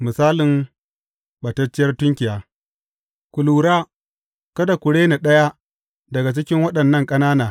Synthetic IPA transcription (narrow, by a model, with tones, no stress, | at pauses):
mɪ˨saː˦lɪ˨m | ɓɐ˨tɐ˦t͡ʃːɪ˦jɐ˦rtʊ˦ŋkʲɪ˨jaː˦ | kʷu˨luː˨ɾaː˦ | kɐ˦da˨kʷʊ˨ɽeː˦na˨ɗɐ˦ja˦ | dɐ˨ɡa˨t͡ʃɪ˦kʲɪ˦ŋwɐ˦ɗɐ˨nːɐ˦˨ŋkʼɐ˦naː˦naː˨